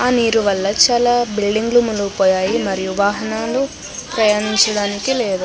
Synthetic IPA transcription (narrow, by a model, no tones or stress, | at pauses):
aːniːɾuʋɐlːɐt͡ʃaːlaːbilɖiŋɡlumuluɡupoːjaːjimɐɾijuʋaːɦɐnaːlu | pɾɐjaːniɲt͡ʃɐɽaːnikile̞ːd̪u